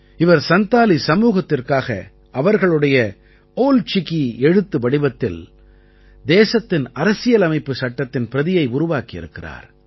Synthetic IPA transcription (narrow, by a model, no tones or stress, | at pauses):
ɪʋɐɾsɐnt̪aːlisɐmuːɣɐt̪ːɪrkaːɣɐ̰ | ɐʋɐɾɣɐɭɯɽɐjɐ | oːlt͡ʃɪkiɛɻɯt̪ːɯʋɐɽɪbɐt̪ːɪl | d̪eːsɐt̪ːɪnɐɾɐsɪjɐlɐmɐɪpːɯsɐʈːɐt̪ːɪnpɪɾɐðɪjɐɪʊɾʊʋaːkiɪ̰ɾɯkːɪra̰ːɾ